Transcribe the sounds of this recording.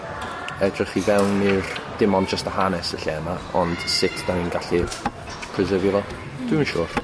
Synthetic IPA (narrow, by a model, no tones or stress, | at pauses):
ɛdrɪχivɛwnmird̥ɪmɔnd͡ʒəstəhanɛsəɬɛmaɔ̰nd̥sɪtʰdaninɡaɬi | pʰrɨzəvivɔ | d̥wɪnʃuːr